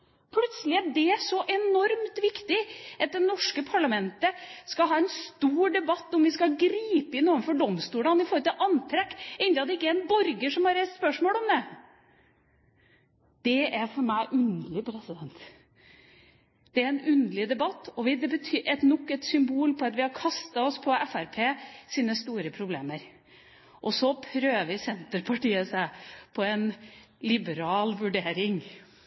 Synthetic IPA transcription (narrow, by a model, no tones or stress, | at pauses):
pʰlʉt̪səlɪɛɖɛæʂɔʔɛnɔɾmt̪ʋɪkt̪ɪʔɑt̪̚d̪ɛnɔʂkəpʰɑɭɑmɛnt̪əskɑɦɑːɛnst̪uːɾɖɛbɑt̪ːɔmʋɪskɑɡɾiːpəɪnɔːɾmfɔɖɔmst̪uːlɑnɪfoːɾət̪ʰɪlʔɑnt̪ʰɾɛkːɛɪnɪɑt̪ːɪkːəɾɛnbɔɾɡəʂɔmhɑɾɛt̪spœʂmoːlɔmd̪ɛ | d̪̥ɛæɾfɔɾmæɪʔʉnd̪əlɪpʰɾɛsɪd̪ɛnt̪ | d̪̥ɛæɾɛnʉnd̪əlɪd̪ɛbɑt̪ːɔʋɪd̪ɛbət̪ʰyːʔɛt̪nɔkːɛt̪sʏmbuːlpʰɔɑt̪ʋɪhɑɾkʰɑst̪ɑɔspʰɔɛfæɾpʰeːsiːnəst̪uːɾəpʰɾʊbleːməɾ | ʔɔsɔpʰɾøːʋɪsɛnt̪əɾpʰɑʈiːəsæpʰɔɛn | lɪbəɾɑːlʋʉɖeːɾɪŋ